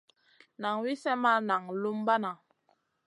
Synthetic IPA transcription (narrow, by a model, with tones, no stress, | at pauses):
na˨ŋwi˦sɛ˦ma˦na˨ŋlu˦mba˦na˨